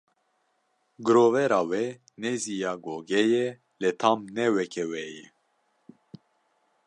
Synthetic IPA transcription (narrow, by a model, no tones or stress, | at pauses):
ɡɨɾovɛɾɑːwɛ | nɛzijɑːɡoɡɛjɛ | lɛt̪ʰɑːmnɛwɛkʰɛwɛjɛ